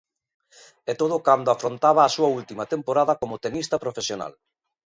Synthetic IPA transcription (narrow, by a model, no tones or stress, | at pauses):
ɛt̪oð̞ʊkand̪oafɾont̪aβaːsuault̪imɐt̪empoɾaðɐkomot̪enist̪ɐpɾofesjona̰l